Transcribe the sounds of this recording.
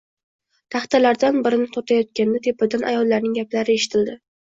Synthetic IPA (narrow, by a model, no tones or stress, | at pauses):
t̪ʰaχt̪alaɾd̪anbɪɾɪnɪt̪ʰot̪ʰajɒt̪̚kʲand̪at̪ʰe̞pɪd̪anʔa̰jɒlːaɾnɪŋɡʲaplaɾɪe̞ʃɪ̥t̪ʰɪld̪ɪ